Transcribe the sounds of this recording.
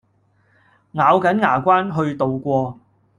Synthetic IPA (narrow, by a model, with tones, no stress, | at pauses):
ŋaː˨˧wkɐ˨˥nŋaː˨˩kʷaː˥nɦɵ˧ɥt̪o˨wkʷɔː˧